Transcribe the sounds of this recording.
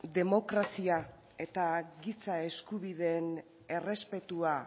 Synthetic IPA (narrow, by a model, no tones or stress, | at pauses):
d̪e̞mo̞kɾasia | e̞t̪aɣisae̞skuβiðe̞n | e̞re̞spe̞t̪ua